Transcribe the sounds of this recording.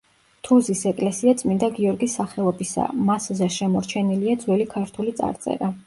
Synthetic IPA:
t̪ʰuzisɛkʼlɛsiat̪sʼmind̪aɡiɔɾɡisːaχɛɔbisa̰maszɛʃɛmɔɾt͡ʃʰɛniliad̪zwɛlikʰaɾt̪ʰulit̪sʼa̰ɾt̪sʼɛ̰ɾa

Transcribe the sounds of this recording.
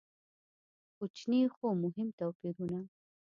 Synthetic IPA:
kut͡ʃnixomʊɦɪmt̪awpiɾuna

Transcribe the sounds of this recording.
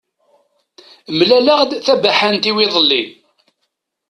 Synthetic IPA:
mlæləʁd̪θæbæħænt̪iwiðˤəlːi

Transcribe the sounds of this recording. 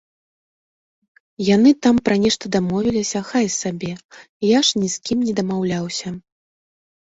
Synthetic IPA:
janɨt̪ampɾɐnʲɛʂt̪ɐd̪amɔvʲilʲisʲɐxajsabʲɛ | jaʂnʲiskʲimnʲɛd̪ɐmawlʲawsʲɐ

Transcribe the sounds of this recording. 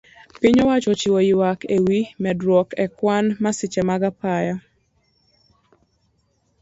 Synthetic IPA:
pɪɲɔwat͡ʃɔt͡ʃiwojiwakʰewimɛdɾwɔkɛkwanmasɪt͡ʃɛmaɡapaja

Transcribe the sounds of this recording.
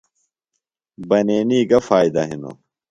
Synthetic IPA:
bɐneːniːɡɐfaːid̪ɐɦino̰

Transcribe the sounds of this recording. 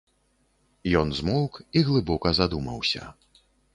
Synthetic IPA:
jɔnzmɔwkiɣlˠɨbɔkɐzad̪umɐ̰wsʲɐ̰

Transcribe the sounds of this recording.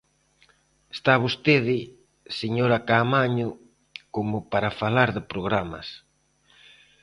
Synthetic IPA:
est̪aβost̪eðɪ | seɲoɾakamaɲʊ | komʊpaɾafalaɾðɪpɾoɣ̞ɾamɐ̰s

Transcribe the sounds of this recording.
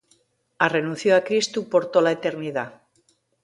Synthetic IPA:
are̞nũnθjoakɾist̪upo̞ɾt̪olaet̪e̞ɾniða

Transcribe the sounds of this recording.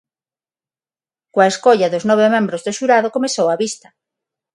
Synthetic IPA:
kwaeskoʎaðoznɔβ̞emẽmbɾozðoʃuɾaðokomesowaβist̪ɐ̥

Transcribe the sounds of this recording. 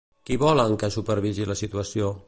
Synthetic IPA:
kiβɔləŋkəsupəɾβiziləsit̪uəsio

